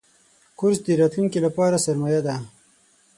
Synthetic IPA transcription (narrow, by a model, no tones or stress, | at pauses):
kʊɾsd̪əɾɑːt̪luŋkilapɑːɾasaɾmajad̪a